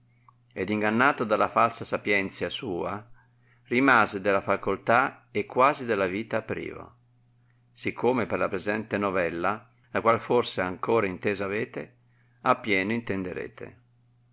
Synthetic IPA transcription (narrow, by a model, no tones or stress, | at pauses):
ɛd̪iŋɡanːaːt̪od̪alafalsasapjɛnt̪sjasuːa | rimaːzed̪ɛlafakolt̪aekːwaːzid̪ɛlːaviːt̪aːpːɾḭːvo̰ | sikʰːoːmeperlapɾezɛnt̪enɔvɛlːa | lakwalforseaŋkoːɾaint̪eːzaveːt̪e | apːjɛːnoint̪ɛnd̪eɾḛːt̪ḛ